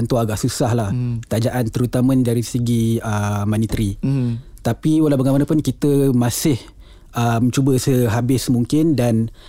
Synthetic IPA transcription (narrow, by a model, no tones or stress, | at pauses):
nt̪uaɡaʔsusahlahk̪ad͡ʒaʔant̪əɾut̪amə̃daɾisəɡiəmanit̪əɾi | t̪apiwəlabaɡanmanapʊnkit̪əmasɪh | əmt͡ʃubəsəɦabɪsmuŋkɪndan